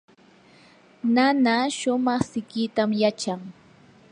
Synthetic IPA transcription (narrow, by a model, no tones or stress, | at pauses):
nanaʃʊmɑχsɪkɪt̪amjat͡ʃaŋ